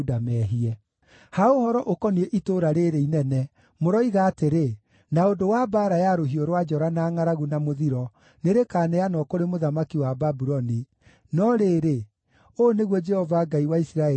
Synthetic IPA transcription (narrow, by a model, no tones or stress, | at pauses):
damɛːɦiɛ | haohɔɾɔʔokɔniɛʔitoɾaɾeɾeinɛnɛ | moɾɔiɣaːteɾe | naondowabaːɾajaɾoɦioɾwad͡ʒɔɾanaːŋaɾaɣunamoðiɾɔ | neɾekaːnɛanɔkoɾemoðamakiwababuɾɔni | nɔɾeːɾe | oneɣwɔd͡ʒɛhɔvaɡaiwaisiɾaɛ